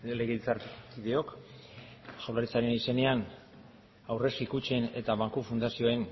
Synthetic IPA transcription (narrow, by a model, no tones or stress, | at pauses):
le̞ɣeit͡saɾkiðeo̞k | ʃawlaɾit͡saɾe̞nise̞ne̞an | awre̞skikut͡ʃe̞ne̞t̪aβaŋkufund̪asio̞e̞n